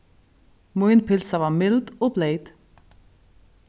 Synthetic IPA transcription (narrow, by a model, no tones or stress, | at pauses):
muʏnpɪlsavaːɾmɪld̪ɔːbleɪd̪̥